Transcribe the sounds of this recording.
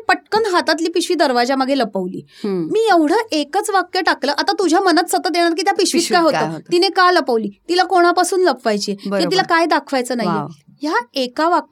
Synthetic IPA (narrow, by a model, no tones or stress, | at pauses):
pəʈ̚kənɦat̪at̪liːpiɕʋiːd̪əɾʋad͡ʑaməɡʱeləpəʋlḭːmiːjeʋɽ̤əʔekət͡sʋakjəʈakləːʔat̪at̪ud͡ʑʱjamənat̪sət̪ət̪d̪eɽ̃aɾk̬iːt̪japiɕʋiːt̪kajɦot̪oinekaləpəʋliːt̪ilakoɽ̃apasuːnləpʋajt͡ɕiebəjeilakajd̪akʰʋajt͡səːnaɦjḛ | ɦjaekaʋa